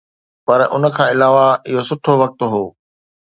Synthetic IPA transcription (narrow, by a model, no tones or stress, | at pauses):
pɐɾʔʊ̰nə̆kʰãːɪlaːʋaɪɦosʊʈʰoʋɐk̚t̪ɦoː